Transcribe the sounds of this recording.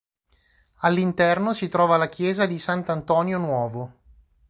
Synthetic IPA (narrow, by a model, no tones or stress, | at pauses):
alːint̪ɛrnosit̪ɾɔːvalak̟jɛːzad̪isant̪ant̪ɔːnjonwɔːvo